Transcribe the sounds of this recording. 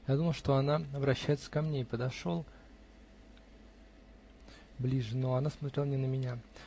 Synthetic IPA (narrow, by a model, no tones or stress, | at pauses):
jad̪uməlˠʊʂt̪o̞ɐnaɐvɾɐɕːæjɪt̪sə̥kɐmnʲeɪpəd̪ɐʂo̞lˠ | blʲiʐɨnoɐnasmɐt̪ɾʲelˠənʲɪnəmʲɪnʲa